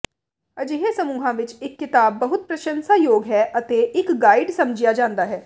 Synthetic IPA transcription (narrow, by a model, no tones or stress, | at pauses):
əd͡ʒɪɦeːsəmuːɦãːʋɪt͡ʃɪkːɪt̪aːbːəɦʊt̪̚pɾəʃənsaːjoːɡɦɛːʔət̪eːʔɪkɡaːɪɖsəmd͡ʒɪjaːd͡ʒãːnd̪aːɦɛː